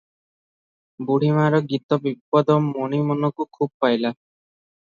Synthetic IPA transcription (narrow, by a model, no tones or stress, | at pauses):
buɽ̤imaɾɔɡit̪ɔbibɔd̪ɔmːonimɔnɔkukʰub̚pajla